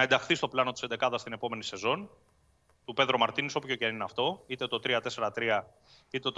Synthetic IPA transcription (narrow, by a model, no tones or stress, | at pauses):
ɐe̞nd̪ɐxθist̪oplɐno̞t̪ise̞nd̪e̞kɐðɐst̪ine̞po̞me̞nise̞zo̞n | t̪upe̞ðɾomɐɾt̪iniso̞pço̞ceninɐft̪o̞it̪e̞t̪o̞t̪ɾiɐt̪e̞se̞ɾɐt̪ɾiɐ | it̪e̞t̪